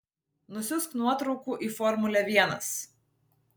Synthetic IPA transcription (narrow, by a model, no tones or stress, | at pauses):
nʊsʲʊsknuɔt̪ɾɒʊkuːʔiːfɔɾmʊlʲɛʋʲiɛnɐ̰s